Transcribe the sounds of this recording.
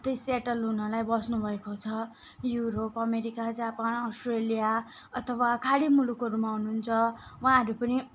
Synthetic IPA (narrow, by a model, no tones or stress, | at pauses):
t̪ʌjseʈʌlɦunʌlajbʌsnubʱʌekot͡sʰʌ | juɾopʌmeɾikad͡zapanʌsʈrelija | ʌt̪ʰʌwakʰaɽimulukɦʌɾumaɦunuɦunt͡sʰʌwaãɦʌɾupʌni